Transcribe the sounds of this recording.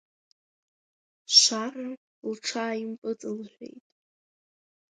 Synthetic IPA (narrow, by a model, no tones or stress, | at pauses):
ʃʷara | lʈ͡ʂʰaːimpʼɨt͡sʼɨlħʷᶣe̞̰jtʼ